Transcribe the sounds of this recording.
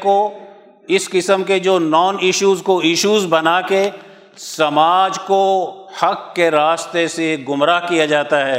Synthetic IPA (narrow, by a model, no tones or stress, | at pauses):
ko | ɪskɪsəmked͡ʒoːnɔːnɪʃuːzkoɪʃuːzbɐnaːke | sɐmaːd͡ʒkohɐkːeɾaːst̪eseɡʊmɾaːɦkijad͡ʒaːt̪aɦɛː